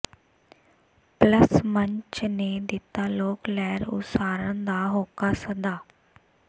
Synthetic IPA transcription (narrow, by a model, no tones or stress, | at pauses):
pləsməɲt͡ʃneːd̪ɪt̪ːaːloːklɛːɾʊ̰saːɾənd̪aːɦoːkaːsəd̪aː